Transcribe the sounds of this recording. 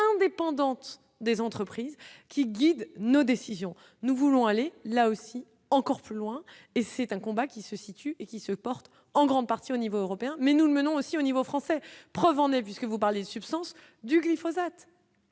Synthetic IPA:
ɛ̃d̪epɑ̃d̪ɑ̃t̪ | d̪ezɑ̃t̪χəpχizkʲiɡʲid̪nod̪esizjɔ̃ | nuvulɔ̃alelaosi | ɑ̃kɔʁplylwɛ̃ | esɛt̪ɛ̃kɔ̃bakʲisəsit̪yekʲisəpɔʁt̪ | ɑ̃ɡʁɑ̃d̪̚paʁt̪ionivoːʁɔpeɛ̃mɛnuləmənɔ̃osionivofχɑ̃sɛpχəvɑ̃nɛp̬ɥiskəvupaʁljed̪əsypst̪ɑ̃s | d̪yɡlifozat̪

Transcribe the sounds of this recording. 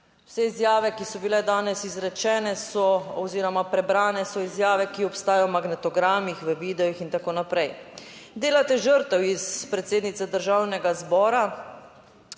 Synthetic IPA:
wsɛizjaːʋɛkisɔbilɛd̪aːnɛsizɾɛt͡ʃɛːnɛsɔɔziːɾɔmapɾɛbɾaːnɛsɔizjaːʋɛkiɔpst̪aːjɔwmaɡnɛt̪ɔɡɾaːmixʋəʋiːd̪ɛixint̪akoːnapɾɛjd̪eːlat̪ɛʒəɾt̪ɛwispɾɛt̪seːd̪nit̪sɛd̪əɾʒawnɛɡazbɔːɾa

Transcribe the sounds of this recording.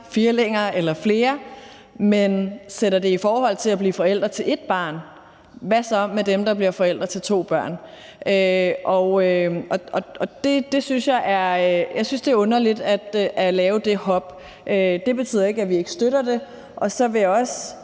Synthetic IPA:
fiɐleŋ̰ɐːʔelɐfle̝ːɐ | menseɾɐd̥e̝ifɒːhɒ̽l̰t͡sʰe̝læb̥lḭːfɒ̽el̰d̥ʁɐt͡sʰe̝le̝d̥̚b̥ɑ̈ːn | ʋæsɒmːed̥emd̥ɑ̈b̥liɐfɒ̽el̰d̥ʁɐt͡sʰe̝lt͡sʰo̝̰ːb̥ɶɐ̰n | øʔɒøʔɒ̽ɒ̽ɒ̽d̥e̝d̥e̝synsjɑ̈ɪʔæɐøjɑ̈ɪsynsd̥e̝æɐɔ̽nɐlid̥æd̥ʔælɛːʊd̥e̝hɒ̽b̥ | ʔød̥e̝b̥e̝t͡sʰy̰ð̰ˠɐe̝ɡ̥æʋie̝ɡ̥ə̥sd̥øɾ̥ɐd̥e̝ | ʔɒ̽sɒ̽ʋe̝jaɒ̽s

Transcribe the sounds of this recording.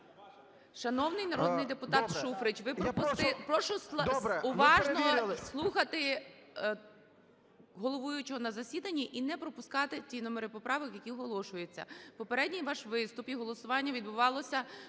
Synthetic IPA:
ʃɐnɔwnɪjnɐɾɔd̪nɪjd̪epʊt̪ɑt̪ʃufɾɪt͡ʃʋɪpɔpʊst̪ɪpɾɔʃʊʊʋɑʒnɔslˠuxɐt̪ɪ | ɦɔlˠɔʋujʊt͡ʃɔɦɔnɐzɐsʲid̪ɐnʲːiʔinɛpɾɔpʊskɑt̪ɪtʲinɔmɔɾɪpɔpɾɑʋɪkjɐkʲiɦɔlˠɔʃʊjet͡sʲːɐ̰pɔpeɾɛdʲnʲijʋɑʃʋɪst̪ʊpiɦɔlˠɔsʊʋɑnʲːɐʋʲid̪̚bʊʋɑlˠɔsʲɐ

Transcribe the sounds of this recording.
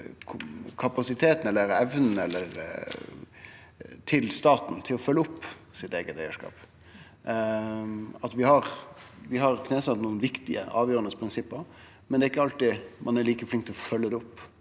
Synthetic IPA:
kʰɑpɑsɪt̪ʰeːt̪n̩ɛlːəɾɛʋnn̩ɛlːəɾ | t̪ʰɪlst̪ɑːt̪n̩t̪ʰɪlɔfœlːəʊpː | sɪt̪eːɡət̪æɪəʂkɑ̰ːp | ɑt̪ʋɪhɑɾʋɪɦɑɾkʰneːsɑt̪nuːənʋɪkt̪ɪə̰ʔɑːʋjøːɾənəspʰɾɪnsɪpːəɾ | mɛnd̪ɛːɪkːəɑlt̪ɪmʔɑ̰næɾɭiːkəflɪŋkt̪ʰɛlɔfœlːəd̪ɛʊpː

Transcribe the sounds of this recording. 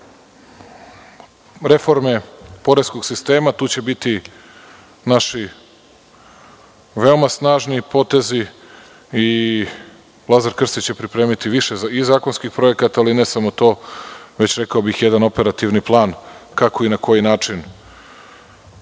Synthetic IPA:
ɾe̞fo̞ɾme̞po̞ɾesko̞ɡ̥sist̪e̞ːmat̪uːt͡ɕe̞bit̪i | naʃi | ʋe̞omasnaːʒnipo̞t̪e̞zi | i | ʋlˠazaɾkr̩st̪it͡ɕe̞pɾipɾe̞ːmit̪iʋiʃeizaːko̞nskixpɾo̞je̞kat̪aaline̞samo̞t̪o̞ːʋe̞t͡ɕɾekaobixjed̪ano̞pe̞ɾat̪iʋniplˠaːnkako̞inako̞jinaːt͡ʂin

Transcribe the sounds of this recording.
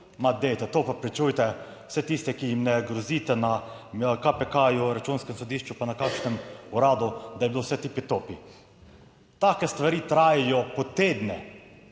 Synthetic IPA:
mad̪ejt̪ɛt̪opapɾit͡ʃuːjt̪ɛ | w̥sɛt̪ist̪ɛkijimnɛɡɾɔziːt̪ɛnakapɛkajuɾat͡ʃunskɛmsɔd̪iːʃt͡ʃupanakaːkʃnɛmuɾaːd̪ud̪ajɛbilowsɛt̪ipit̪oːpi | t̪akɛst̪ʋaɾiːt̪ɾaːjɛjɔpɔt̪eːd̪nɛ

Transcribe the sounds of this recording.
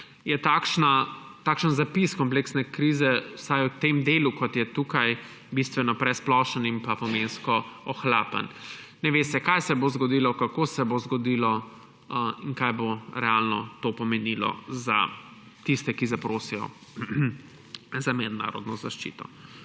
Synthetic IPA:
jɛt̪aːkʃnat̪aːkʃənzapiskɔmpleksnɛkɾiːzɛwsajut̪emd̪eːlukɔt̪jɛt̪uːkaj | bist̪ʋɛnɔpɾɛsplɔʃənimpapɔmenskɔɔxla̰ːpə̰n | nɛʋest̪ɛkajsɛbozɡɔd̪iːlɔkakoːsɛbozɡɔd̪iːlɔ | iŋkajboɾɛalnɔt̪opɔmɛnilɔ̰za̰ | t̪ist̪ɛkizapɾoːsijɔ̰ | zamɛd̪na̰ːɾɔ̰d̪nɔzaʃt͡ʃḭːt̪ɔ̰

